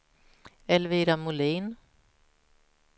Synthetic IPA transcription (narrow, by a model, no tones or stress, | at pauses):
ɛlviːɾamʊliːn